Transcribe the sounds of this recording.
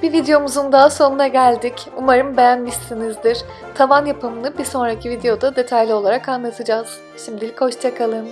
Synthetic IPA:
b̥ivid̪ejo̞muzund̪aɦaso̞nunaɟælʲd̪icumaɾɯmbe̞jænmiʃt̪inizd̪iɾ̥ | t̪ʰamanjapʰɯmɯnɯbiɾso̞nɾacʰivid̪e̞jo̞d̪ad̪e̞t̪ʰajlʲio̞lˠaɾakanlˠat̪ʰɯd͡ʒaz̥ | ʃimd̪ilʲicho̞ʃt͡ʃʰakʰalˠɯm

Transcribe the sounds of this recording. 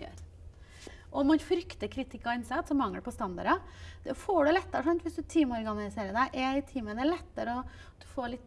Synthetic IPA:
ø̰ːɾ | ʔɔmɑnfɾʏkt̪əɾkʰɾɪt̪ʰɪkːɔɑnsɛt̪ːsɔmːɑŋːəɖɛpʰɔst̪ɑnd̪ɑ̰ɾɑd̪̥ɛfoːɖɛlɛt̪ːəɾʂɑnt̪ʋɪsd̪ʉt̪ʰiːmɔɾɡɑnɪseːɾəd̪æɪʔɛɪt̪ʰiːməd̪ɛlɛt̪ːəɾəɔ | d̪̥ʉfoːɭɪt̪ː

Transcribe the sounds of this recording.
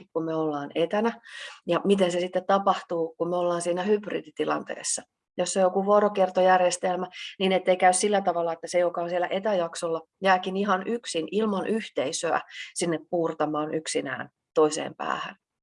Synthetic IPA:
ikkummeolːɑːnet̪ænæjɑmit̪ensesit̪ːet̪t̪ɑpɑht̪uːkummeolːɑːnsiːnæhyprḭd̪it̪ilɑ̰nt̪ḛːsːɑ | josːeojokuʋorokert̪ojærjest̪elmæniːnet̪ːeikæyssilːæt̪ɑʋɑlːɑet̪ːæsejokɑonsielːˑæ̰ʔet̪æjɑksolːɑ | jæːkiniɦɑnyksinilmɑnʔyht̪eisøæ̰sinːeppuːrt̪ɑmɑːnʔyksinæ̰ːn | t̪oisḛːmpæ̰ːhæ̰n

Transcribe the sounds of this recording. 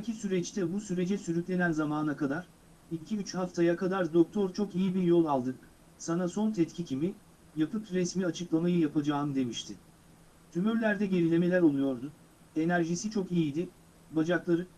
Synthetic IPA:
sacʰisyɾɛt͡ʃt̪ʰɛbusyɾe̞d͡ʒɛsyɾyclʲe̞nænzamaːnakad̪aɾ̥ | icʰiyt͡ʃhaft̪ʰajakʰad̪aɾd̪o̞k̚t̪ʰo̞ɾt͡ʃʰo̞kijibiɾjo̞lˠalˠd̪ɯk | sanaso̞nt̪ʰɛt̪cʰicʰimi | japʰɯkɾɛsmiat͡ʃʰɯklˠamajɯjapʰad͡ʒaːɯmd̪e̞miʃt̪ʰɪ | t̪ʰymyɾlʲæɾd̪ɛɟe̞ɾʲilʲe̞me̞lʲæɾo̞lˠujo̞ɾd̪ʊ | e̞næɾʒisit͡ʃʰo̞kijid̪ɪ | bad͡ʒaklˠaɾɯ

